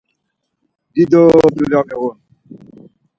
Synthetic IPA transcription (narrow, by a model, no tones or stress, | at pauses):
didoduljɔkewon